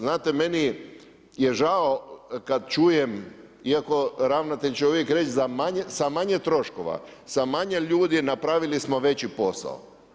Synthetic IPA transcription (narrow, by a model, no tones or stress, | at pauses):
znaːt̪eme̞ni | jeʒaokad̪̚t͡ʃujem | iako̞ɾaʋnat̪eʎt͡ʃeuʋjekɾe̞t͡ʃzamaɲesamaɲet̪ɾo̞ʃko̰ʋa̰samaɲeʎuːd̪inapɾaʋilismoʋe̞t͡ɕipo̞sa̰o̰